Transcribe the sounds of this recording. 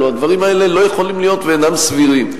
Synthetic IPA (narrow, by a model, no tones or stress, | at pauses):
uad̪vaʁimae̞lelo̞jeχolimlijo̞t̪veːnamsviʁim